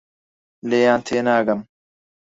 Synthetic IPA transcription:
leːjãːnt̪ʰeːnaːɡɐm

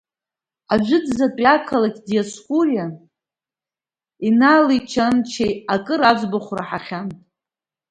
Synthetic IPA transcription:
aʒʷʊd͡zzapʼakʰalakʲʼdijaskʷʼurja | inaːlit͡ʃʰant͡ʃʰejakʼɨɾad͡ʒʷbaχʷraħaχʲantʼ

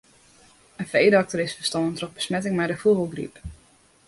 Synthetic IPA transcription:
ənfejdəɑk̚tərɪsfə̥stɑnəntroxbə̥smɛtɪŋmɛjdəfubəlˠɡrḭp

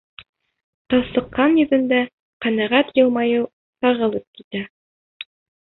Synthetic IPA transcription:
t̪ɑsɤ̆qːɑnjɵ̆ðɘ̆nd̪æ | qænæʁæt̪jɤ̆lˠmɑjɤw | sɑʁɤ̆lˠɤp̚kit̪æ

